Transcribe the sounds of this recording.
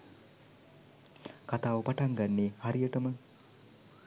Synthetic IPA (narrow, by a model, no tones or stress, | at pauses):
kat̪aːʋəpaʈaŋɡanːehaɾijəʈəmə